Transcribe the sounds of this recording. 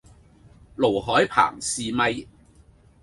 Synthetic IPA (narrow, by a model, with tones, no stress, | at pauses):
lo˨˩wɦɔː˨˥jpʰa̰ː˨˩ŋsiː˨mɐ˧j